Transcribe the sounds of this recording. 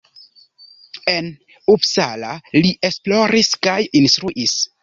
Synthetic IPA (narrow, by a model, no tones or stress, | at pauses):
e̞n | upsalaliʔe̞splo̞ɾiskajinst̪ɾuʔis